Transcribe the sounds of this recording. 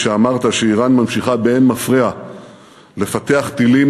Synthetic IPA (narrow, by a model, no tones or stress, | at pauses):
ʃeamaʁt̪aʃeiʁanmamʃiχabeenmafʁia | le̞fat̪e̞aχt̪ilim